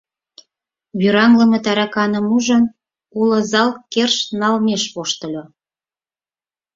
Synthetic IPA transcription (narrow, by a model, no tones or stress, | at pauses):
βyɾɑŋləmə̆t̪ɑɾɑkɑnəmuʒən | ulɤ̆zɑlkerʃnɑlmeʃβoʃt̪ə̆lʲo